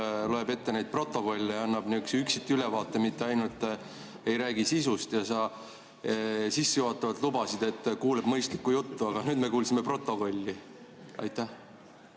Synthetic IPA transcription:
loebe̞t̪ːe̞næjd̪̚pro̞t̪ˑːo̞ko̞lʲːejɑɑnːɑb̥niyksyksit̪ːiylevɑːt̪ːˑe̞mit̪ˑːe̞ɑjnult̪ːˑ | e̞jɾæːɡisisust̪jɑsɑ | sisːejuoːt̪ːˑɑvɑt̪lubɑsid̪̥e̞t̪ːkuːleb̥mɤjst̪likːujut̪ːuɑɡ̥ɑnyːd̪me̞kuːlsime̞pro̞t̪ːˑo̞ko̞lʲːi | ɑ̰jt̪ːˑæh

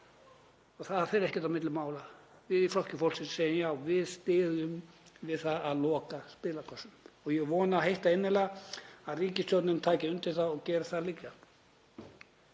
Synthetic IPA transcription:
ɔɣθaðaθɛɾɛhcɛt̪amɪt̪lʏmaːwla | vɪðiflɔl̥cɪfɔlsɪt̪seːjɪmjaːwvɪðst̪ɪːðʏm | vɪðθaðaðlɔːkaspɪːlakʰɔsʏmɔɣjɛɣvɔːnaːɦejht̪aɪnːɪlaaðriːcɪst̪jɔt̪nɪnt̪ʰaːcɪʏnt̪ɪɾθaɔɣcɛːɾaθaðlicːa

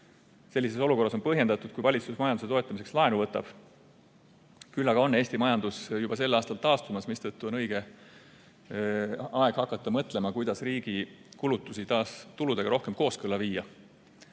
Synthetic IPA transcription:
se̞lʲːise̞so̞luko̞rːɑs̬o̞npɤ̞ɦje̞nd̪ɑt̪ːˑud̪̥kujvɑlʲit̪susmɑjɑnd̪u̥se̞t̪o̞e̞t̪ːˑɑmis̬ekslɑe̞nuvɤt̪ːˑɑ̰b̥ | kylːɑɡɑo̞nːe̞ːsʲt̪imɑjɑnd̪̥usjub̥ɑse̞lːɑːst̪ɑlt̪ɑːst̪umɑsmist̪ɤt̪ːuo̞nɤjɡ̥e̞ | ɑe̞ɡ̥hɑkːˑɑt̪ːˑɑmɤt̪ˑle̞mɑkujd̪̥ɑsriːɡ̥ikulut̪ːˑusit̪ɑːst̪ulud̪̥e̞ɡɑɾo̞hke̞mko̞ːskɤlɑviːjːɑ

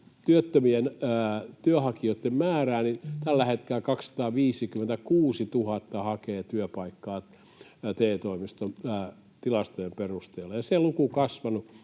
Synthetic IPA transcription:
t̪yøt̪ːømienːt̪yøhɑkiot̪ːemmæːræːnint̪ælːæhet̪kelækɑkssɑ̥t̪ɑːʋiːsikyment̪ækuːsit̪uhɑt̪ːɑhɑkeːt̪yøpɑikːɑː | t̪eːt̪oimist̪onː | t̪ilɑst̪ojemperust̪eːlːɑjɑselukukɑsʋɑnu

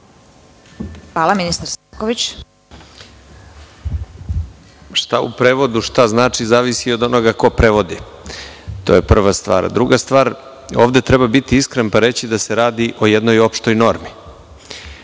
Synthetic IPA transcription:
xʋaːlˠaminist̪aɾsakoʋit͡ɕ | ʃt̪aṵpɾeːʋo̞d̪uʃt̪aznaːt͡ʂizaːʋisio̞d̪o̞no̞ɡako̞pɾeʋo̞d̪i | t̪o̞ːjepr̩ʋast̪ʋa̰ːɾ̰d̪ɾuɡast̪ʋaːɾ | o̞ːvd̪et̪ɾɛbabit̪iiskɾenpaɾe̞t͡ɕid̪aseɾaːd̪iʔo̞jed̪no̞jo̞pʃt̪o̞jno̞ɾmi

